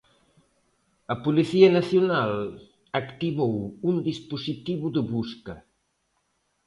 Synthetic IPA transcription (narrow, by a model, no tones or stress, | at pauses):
ɐpuliθiɐnaθjonal | akt̪iβowund̪ispusit̪iβuðəβuskɐ